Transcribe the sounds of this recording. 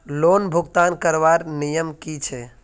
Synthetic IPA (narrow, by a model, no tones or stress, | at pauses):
lonbʱuɡt̪ankəɾbaɾnijəmkit͡ʃʰɛ